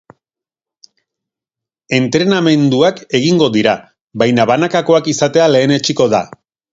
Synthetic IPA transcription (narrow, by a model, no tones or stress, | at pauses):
e̞nt̪ɾe̞name̞nd̪uake̞ɣiŋɡo̞ðiɾa | βajnaβanakako̞akisat̪e̞ale̞ːne̞t͡ʃiko̞ða̰